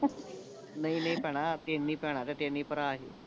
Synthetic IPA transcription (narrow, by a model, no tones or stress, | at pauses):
nainaɦipɛɽ̃at̪enːiːpɛɽ̃at̪ãt̪enːiːpəɾaːɦi